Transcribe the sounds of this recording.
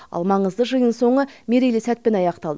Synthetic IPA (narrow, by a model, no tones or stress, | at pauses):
ɑ̰lˠmɑɴəzd̪əʒəjənso̞ɴəmʲeɾelisæt̪̚pe̞nɑjɑqt̪ɑlˠd̪ə